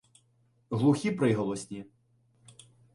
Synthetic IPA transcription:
ɦlˠuxʲipɾɪɦɔlˠɔsʲnʲi

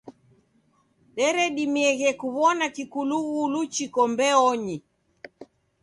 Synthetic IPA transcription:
ɗɛɾɛɗimɛɣɛkuβɔnakikuluɣulut͡ʃikɔmbɛɔɲi

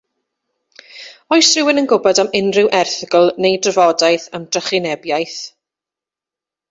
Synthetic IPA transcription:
ɔjsrɪwɪnənɡʊbɔdamɪnrɪwʔɛrθɪɡəlˠnejdrəvɔdajθamd̥rəχɪnɛbjajθ

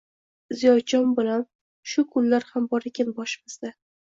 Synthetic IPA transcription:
zijɒd͡ʒɒnbɪlan | ʃʊkʰʊlːaɾhambɒɾekʲʰanbɒʃɪmɪz̥d̪a

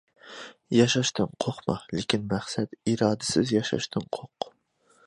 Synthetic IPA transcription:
jɑʃɑʃt̪ʰɨnqʰoχmɑlɪkʲinmæχsɛt̪iɾɑːd̪ɪsɪzjɑʃɑ̰ʃt̪ʰɨnqʰoq

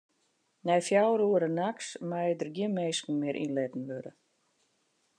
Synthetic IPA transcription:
nɛjfjawɾuəɾənaksmajdərɡjɪmeːskn̩mɪɾʔḭnlɪtn̩ʋøɾə̰

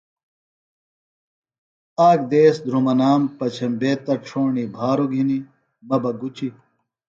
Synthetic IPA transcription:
aːɡ̚d̪eːsd̪ʱɾumɐnaːmpɐt͡ɕʰɐmbeːt̪ɐʈ͡ʂʰoːɳibʱaːɾoɡʱini | mɐbɐɡut͡ɕi

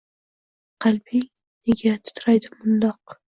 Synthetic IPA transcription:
qʰɑlbɪŋ | neɡʲat̪ʰʊ̥t̪ʰɾajd̪ɪmʊnd̪ɒq

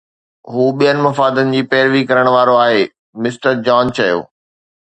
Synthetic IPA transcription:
ɦuːɓijənɪ̆mɐfaːd̪ənɪ̆d͡ʑiːpɛːɾʋikɐɾəɽ̃ʋaːɾoaːɦeː | mɪsʈəɾd͡ʑaːnt͡ɕʰɐjo̰ː

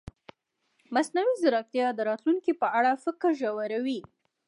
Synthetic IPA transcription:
masnawizaɾɑk̚t̪jɑd̪əɾɑt̪luŋkipəaɽafəkəɾʒawaɾawi

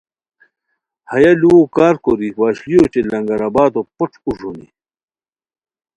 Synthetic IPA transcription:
hɐjaluwokaːɾkoɾiwaːɕlijot͡ɕelɐŋɡɐɾɐbaːt̪opoʈ͡ʂʰuʐonḭ

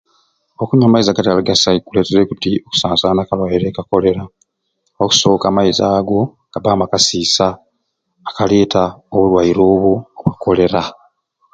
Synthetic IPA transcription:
okuɲaːmaizaɡataalaɡasaikule̞ːteɾekutioku̥saːnsaːnakalwajiɾe̞ːkako̞le̞ɾa | oku̥so̞kaːmaizaːɡo̞ŋɡ̥abaːmakasiːsaː | kale̞ːtaoβulwajiɾo̞ːβuokako̞le̞ɾa

